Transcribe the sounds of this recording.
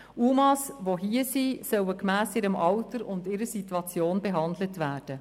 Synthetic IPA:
ʔumɑsʋoɦiəsiːsœwəkmæːsɪɾəmʔɑʊtəɾʊndɪɾəɾsituɑt͡sjoːnbeɦɑndlətvæːɾd̥ə

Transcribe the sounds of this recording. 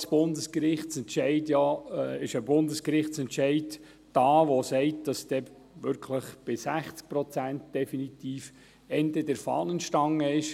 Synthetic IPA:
sb̥ʊndəskɾɪχtt͡sɛntʃɛɪdjɑɪʃəbʊndəskɾɪχtt͡sɛntʃɛɪd | d̥ɑːʋosɛɪt̚d̥ɑsd̥ɛ | ʋʏɾkʰləχb̥ɪsæχt͡sk̚pɾɔt͡sæntd̥ɛfinit̪iːf | ɛndədɛɾfɑ̰ːnənʃtɑŋːəɪʃ

